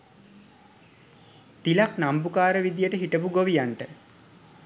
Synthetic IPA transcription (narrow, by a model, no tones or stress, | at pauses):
t̪ilaknambukaːɾəʋid̪ijəʈəɦiʈəpuɡoʋijaɳʈə